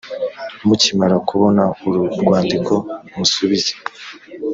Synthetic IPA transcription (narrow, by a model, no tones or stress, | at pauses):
mucimaɾakuβo̞nauɾuɾɡwaːndikʰo̞musuβize